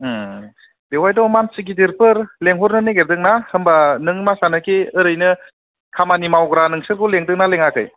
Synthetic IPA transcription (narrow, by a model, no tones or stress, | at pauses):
dewajdɔmansiɡidiɾpɯɾleŋɦɔɾnɯneɡeɾdɯk̚nahɯmbanɯŋmasanɯkʰeɯɾɯjnɯ | kʰamanimawɡɾanɯŋsɯɾkʰoleŋdɯk̚naleŋakʰɯ̰j